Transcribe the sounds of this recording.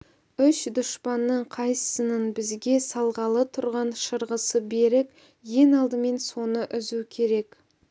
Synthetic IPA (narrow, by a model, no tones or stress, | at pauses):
ʏʃd̪ʊʃpɑnːəɴqʰɑjsənənbɪzɡʲe̞sɑlˠʁɑlˠət̪ʰʊɾʁɑnʃəɾʁəsəbe̞ɾɪk | je̞nɑlˠd̪əme̞nso̞nəʔʏzukʲʰe̞ɾe̞k